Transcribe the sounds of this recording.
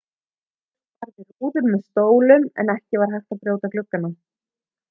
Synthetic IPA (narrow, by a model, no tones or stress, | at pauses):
t̪aɾðɪɾuːðʏɾmɛðst̪oːwlʏmɛ̰nɛhcɪvaɾ̥ɦajxt̪aðpɾjoːwt̪aklʏkːana